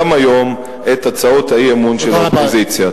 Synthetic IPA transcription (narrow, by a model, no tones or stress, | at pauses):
majo̞m | et̪at͡saot̪haiemunʃelaopozit͡sja